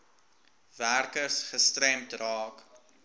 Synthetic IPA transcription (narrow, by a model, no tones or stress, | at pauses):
værkərsχəstræmtrɑːk